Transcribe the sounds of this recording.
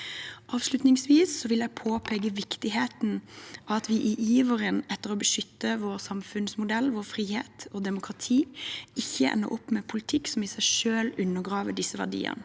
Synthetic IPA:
ʔɑːʋslʉt̪nɪŋsʋiːsːɔʋɪljæɪpʰoːpʰeːɡəʋɪkt̪ɪɦeːt̪n̩ɑɑɑt̪ʋɪʔɪʔiːʋəɾənɛt̪ːəʁɔbəʃʏt̪ːəʋoːɾsɑmfʉnsmʊd̪ɛlːʋoːfɾiːhḛːt̪ɔd̪ɛmʊkʰɾɑt̪ʰiːɪçːəʔɛ̰nːə̰ɾʔɔpːmɛpʰʊlɪt̪ʰɪkːsɔmɪsæɪʂøːlʉnːəɡʁɑːʋədɪsːəʋæ̰ɖḭːə̰nə

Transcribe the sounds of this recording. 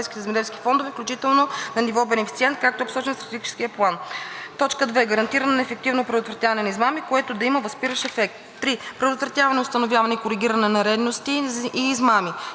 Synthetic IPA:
ɛjskʲit̪ɛzɛmɛd̪ɛlski̥fɔnd̪ovɛfklʲut͡ʃit̪ɛlˠnonɐnivɔbɛnɛfit̪siɛnt̪̚kak̚t̪oːpsɔt͡ʃɛnst̪ɾɐt̪ɛɡʲit͡ʃɛ̥skiəplˠant̪ɔt͡ʃkəd̪vɛːɡəɾɐnt̪iɾənɐnɛfɛk̚t̪ivnopɾɛd̪ot̪vɾɐt̪javɐnɛnizmamikoɛt̪od̪ɐiməvɐspiɾəʃɛfɛk̚t̪ːɾipɾɛd̪ot̪vɾɐt̪javɐnɛʊst̪ɐnovʲjavɐnɛkoɾiɡʲiɾɐnɛnɐɾɛd̪nost̪iːzmami

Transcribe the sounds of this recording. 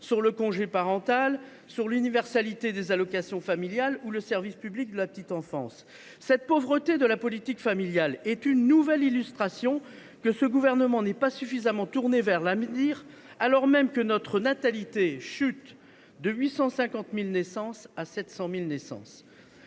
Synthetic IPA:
syʁləkɔ̃ʒepaʁɑ̃t̪al | syʁlynivɛʁsalit̪ed̪ezalɔkasjɔ̃familjaluləsɛʁvispyblik̚d̪əlapət̪it̪ɑ̃fɑ̰̃sː | ɛt̪̚povʁət̪ed̪əlapɔlit̪ikfamiljalɛt̪ynːuvɛlilyst̪χasjɔ̃ | kəsəɡuvɛʁnəmɑ̃nɛpasyfizamɑ̃t̪uʁnevɛʁlavniʁalɔʁmɛmkənɔt̪χənat̪alit̪eʃyt̪ | d̪əɥisɑ̃sɛ̃kɑ̃t̪milnɛsɑ̃sasɛt̪sɑ̃milnɛsɑ̰̃s

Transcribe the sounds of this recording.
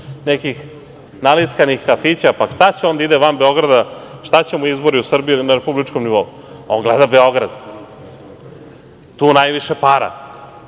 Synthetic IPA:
nekix | nalit̪skanixkafit͡ɕapakst̪at͡ɕeo̞nd̪aid̪eʋambe̞o̞ɡɾad̪aʃt̪at͡ɕemuizbo̞ɾiusr̩bijnaɾepublit͡ʃkomniʋo̞u | oŋɡlɛd̪abeo̞ɡɾa̰d̪ | t̪uːnajʋiʃepaɾa̰

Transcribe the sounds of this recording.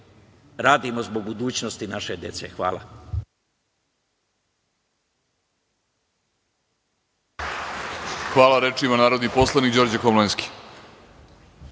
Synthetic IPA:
ɾaːd̪imo̞zbo̞ɡbud̪uːt͡ɕno̞st̪inaʃe̞d̪je̞t̪sḛxʋa̰ːlˠa̰ | xʋaːlaɾet͡ʃimanaːɾod̪niposlˠanikd͡ʑo̞ɾd͡ʑakomlenski̥

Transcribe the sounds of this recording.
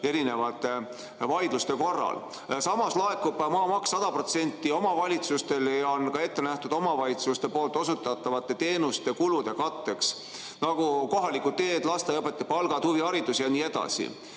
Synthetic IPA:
e̞ɾine̞vɑt̪ːˑe̞ | vɑjd̪̥lust̪e̞ko̞rːɑ̰l | sɑmɑslɑe̞kːub̥mɑːmɑksːɑd̪̥ɑpro̞t̪se̞nʲt̪ːˑio̞mɑvɑlʲit̪sust̪e̞ljɑonkɑe̞t̪ːe̞næht̪ud̪̥o̞mɑvɑlʲit̪sust̪e̞po̞ːlt̪ˑo̞sut̪ːˑɑt̪ːˑɑvɑt̪ːˑe̞t̪e̞ːnust̪e̞kulud̪̥e̞kɑt̪ːe̞ks | nɑɡuko̞ɦɑlikːˑut̪e̞ːd̪lɑst̪eɤpːˑet̪ːˑepɑlɡ̥ɑd̪̥huviɑɾid̪usijɑniːed̪̥ɑ̰sḭ

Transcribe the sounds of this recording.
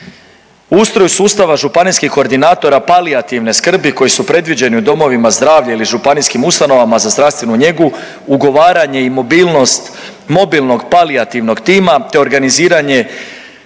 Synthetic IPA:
uust̪ɾo̞jusuːst̪aʋaʒupaniskixko̞ɾd̪inaːt̪o̞ɾapaliat̪iʋne̞skr̩biko̞jisupɾe̞d̪ʋid͡ʑe̞niud̪o̞mo̞ʋimazd̪ɾaːʋʎailiʒupaniskimust̪ano̞ʋamazazd̪ɾast̪ʋe̞nuɲe̞ɡu | uɡo̞ʋaːɾaɲe̞imo̞biːlˠno̞st̪ | mo̞bilno̞ɡpaliat̪iʋno̞ɡt̪iːmat̪e̞o̞ɾɡaniziːɾaɲe̞

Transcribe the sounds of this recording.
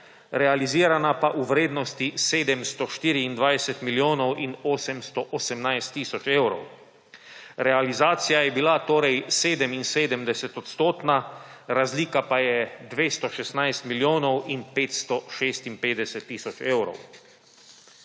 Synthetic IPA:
ɾɛaliziːɾanapaʔuʋɾeːd̪nɔst̪iseːd̪ɛmst̪ɔʃt̪iːɾiːnd̪ʋajsɛt̪miljoːnɔwʔinoːsɛmst̪ɔʔɔsɛmnajst̪ːiːsɔt͡ʃeːwɾɔ̰w | ɾɛalizaːt̪sijajɛbilat̪oːɾɛjseːd̪ɛminseːd̪ɛmd̪ɛsɛt̪ɔt̪st̪oːt̪naɾazliːkapajɛd̪ʋeːst̪ɔʃɛst̪najst̪miljoːnɔwinpeːt̪st̪ɔʃeːst̪inpeːd̪ɛsɛt̪ːiːsɔt͡ʃeːwɾɔ̰w

